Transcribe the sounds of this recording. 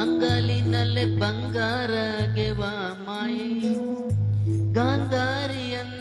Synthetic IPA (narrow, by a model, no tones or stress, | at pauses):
nd̪aːlinɐlːebɐŋɡaːɾɐɡeʋamaːji | ɡaːnd̪ʱaːɾijɐn